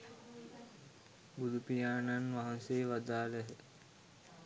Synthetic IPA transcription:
bud̪ʱupijaːnanʋaɦanseːʋad̪aːləɦə

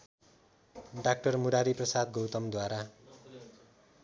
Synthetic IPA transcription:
ɖak̚ʈʌrmuɾaɾiprʌsad̪ɡowt̪ʌmd̪waɾa

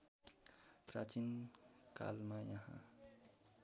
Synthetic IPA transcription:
prat͡sinka̰lmajʌɦã̰

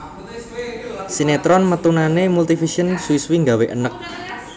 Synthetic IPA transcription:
sinet̪ɾɔnmət̪unanemult̪ifisiənsuwiswiŋɡaweʔə̰nək̚

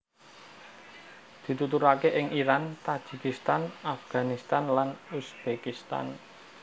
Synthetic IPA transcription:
d̪̥i̤t̪ut̪uɾakeʔɪŋiɾant̪ad̥ʒ̥i̤kist̪anafɡ̥a̤nist̪anlanusb̥ekist̪a̰n

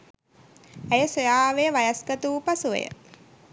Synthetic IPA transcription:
æjəsojaːʋejəʋajasɡət̪uːpasuʋḛjə̰

